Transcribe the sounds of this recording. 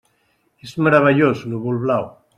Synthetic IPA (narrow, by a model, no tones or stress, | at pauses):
ezmaɾaβeʎosnuβulβlaw